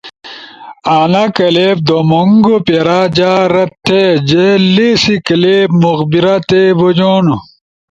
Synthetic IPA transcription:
aːnɐkɐleːb̚d̪omoŋɡopeɾad͡ʑaːɾɐt̪ʰːed͡ʑeleːsikɐleːbmuɣbiɾat̪ebod͡ʑonu

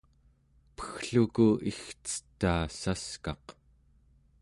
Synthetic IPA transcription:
pə̥xɬukuixt͡sə̥t̪ːaːsaskɑq

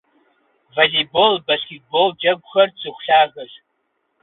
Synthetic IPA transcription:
valibolbaskʲet̚bold͡ʒaɡʷχart͡sɨχʷɬaʁaʃ

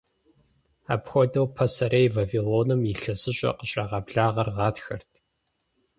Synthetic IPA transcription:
a̰ːpxʷɔdɐwpʰɐsɐɾejvaviloːnɨmiɬɐsɨɕʼɐ̰qəɕʼɐʁɐbɮaːʁɐrʁɑːtxɐrtʰ

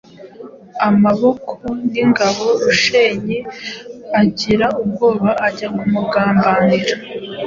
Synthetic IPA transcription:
amaβo̞kʰoniŋɡaβo̞ɾuʃeɲe | aɟiɾaʔub̚ɡo̞ːβaʔːɟamumuɡaːmbaːniɾa

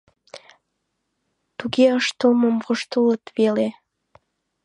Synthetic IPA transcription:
t̪uɣeəʃt̪oməmvoʃt̪ələt̪βele

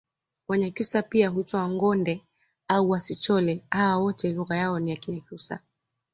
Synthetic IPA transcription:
wɛɲakiusapiaɦuitɔaŋɡɔndɛ | auwasit͡ʃɔlɛhawawɔtɛluɣajaɔnijakiɲakusa̰

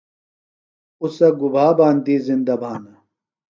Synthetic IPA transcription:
usɐɡubʱaːbaːnd̪iːzind̪ɐbʱaːnɐ

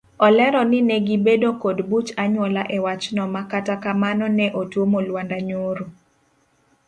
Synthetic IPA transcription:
ɔlɛɾɔnɪnɛɡibedokodbut͡ʃaɲwɔlaʔɛwat͡ʃnɔmakatakamanɔnɛʔotwomolwandaɲoɾu

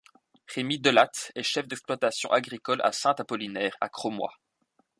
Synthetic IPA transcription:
ʁemid̪əlat̪ɛʃɛfd̪ɛksplwat̪asjɔ̰̃ʔaɡʁikɔla̰sɛ̃t̪apɔlinɛːʁa̰kχomwa̰

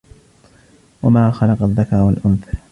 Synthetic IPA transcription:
wamaːxɑlɑqaðːakɑɾˤwalʔʊnθa

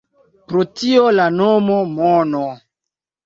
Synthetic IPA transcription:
pɾotiolanomomono

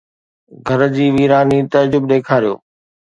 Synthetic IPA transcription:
ɡʱɐɾd͡ʑiːʋiːɾaːnit̪ɐd͡ʑʊbɗ̪eːkʰaːɾijo̰ː

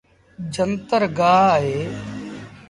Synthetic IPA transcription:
d͡ʒənt̪əɾɡaːaːɦeː

